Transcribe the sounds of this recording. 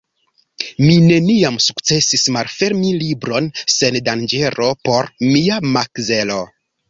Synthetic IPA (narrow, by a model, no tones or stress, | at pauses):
mine̞niamsukt͡se̞sismalfe̞ɾmilibɾo̞nse̞ndand͡ʒe̞ɾo̞po̞ɾmiamakze̞lo